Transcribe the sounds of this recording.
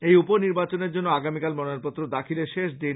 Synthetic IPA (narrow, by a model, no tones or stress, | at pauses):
ejuponiɾbat͡ɕoneɾd͡ʑonːoaɡamikalmɔnaɾpot̪ːɾod̪akʰileʃeʃd̪i